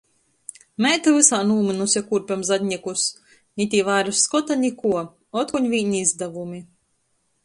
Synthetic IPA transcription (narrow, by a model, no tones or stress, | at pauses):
mɛt̪alɨsaːnuːminusjakuɾpʲamzad̪ʲɲʲikus | nʲit̪ʲivajɾusːkɔt̪aɲʲikuɔ | ɔt̪kuɲvʲiːɲiizd̪avumi